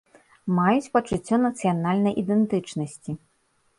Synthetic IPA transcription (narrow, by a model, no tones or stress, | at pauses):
majut͡sʲpɐt͡ʂɨt͡sʲːɔnɐt̪sɨjanalʲnɐjʔid̪ɛnt̪ɨt͡ʂnɐsʲt͡sʲi